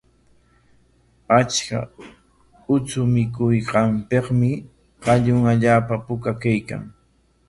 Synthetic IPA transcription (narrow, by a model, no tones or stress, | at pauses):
at͡ʃka̰ | ʊt͡sʊmɪk̬ʊjqɑmpeqmɪ | qɑʎʊŋaʎaːpapʊkakajka̰ŋ